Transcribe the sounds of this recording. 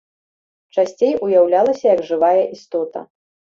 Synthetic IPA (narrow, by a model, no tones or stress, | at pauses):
t͡ʂasʲt͡sʲejʔujawlʲalˠɐsʲɐjɐɡʐɨvajɐʔist̪ɔt̪ɐ̰